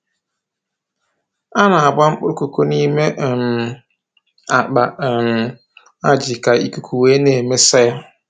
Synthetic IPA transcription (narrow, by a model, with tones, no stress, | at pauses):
a˦na˨a˨ba˦ŋ͡m̩˦k͡pʊ˦ɾʊ˦ko˨ko˦ni˦me˦ʔm̩˨ | a˨k͡pa˨m̩˨ | a˦d͡ʒɪ˨ka˨i˦ku˦kʰu˨weː˦neː˨me˦sa˦ja˦